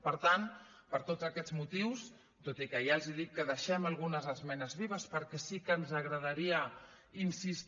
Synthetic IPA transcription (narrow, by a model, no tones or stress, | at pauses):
pəɾt̪an | pəɾt̪ozəkɛzmut̪iws | t̪ot̪ikəjalˠziðik̪̚kːəðəʃɛmalˠɣunəzəzmɛnəzβiβəspəɾkɛsikəːnzəɣɾəð̞əɾiə | insist̪